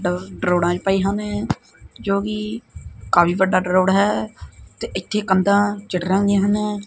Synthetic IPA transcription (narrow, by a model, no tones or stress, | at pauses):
ɖɖɾoːɽãːt͡ʃpaːiːɦaneː | d͡ʒoːkiːkaːpiːʋəɖaːɖɾoːɽɦɛːt̪eːʔɪt̪ʰːeːkənd̪ãːt͡ʃɪʈɾãːɡẽːɦanẽː